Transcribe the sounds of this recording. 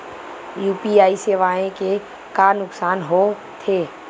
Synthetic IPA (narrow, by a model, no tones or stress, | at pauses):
juːpiaːiseːʋaːẽke | kanʊksaːnɦo | t̪ʰeː